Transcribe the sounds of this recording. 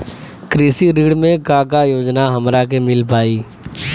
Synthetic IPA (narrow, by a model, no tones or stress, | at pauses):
kɾiːsiɾiːɽmẽkãːkajoːd͡ʒnaɦɐmɾak̬emɪlpaːiː